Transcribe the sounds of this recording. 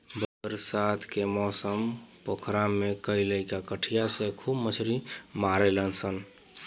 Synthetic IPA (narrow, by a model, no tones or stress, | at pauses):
bəəɾsat̪ʰkemɔsəmpokʰɾamːekəjləjkakəʈʰijasẽkʰubmət͡ʃʰɾimaɾelənsʰən